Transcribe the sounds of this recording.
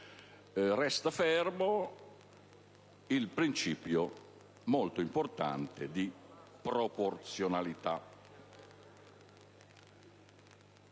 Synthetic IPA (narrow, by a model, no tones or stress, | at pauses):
rɛst̪afɛrmo | ilpɾint͡ʃiːpjo | molt̪oimport̪a̰nt̪ed̪i | pɾoport̪sjonalit̪a